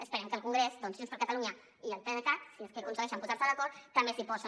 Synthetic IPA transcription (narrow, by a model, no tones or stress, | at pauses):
əspəɾɛmkəlˠkuŋɡɾezd̪ɔnsiunspəɾkət̪aluɲɐ | iəlˠt̪enəkatsiəskeuzəeʃ̬ampuzaɾsəðəkɔɾt̪ɐmbesipɔsə